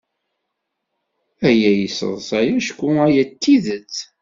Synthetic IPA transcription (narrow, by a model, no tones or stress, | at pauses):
æjæjəsə̰ðˤsæjæʃkʷːuæjæt̪ːiðət͡s